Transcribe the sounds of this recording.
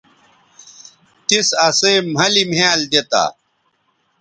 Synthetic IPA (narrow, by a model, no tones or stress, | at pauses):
t̪isɐseːm̤ɐlimaːld̪et̪a̰ː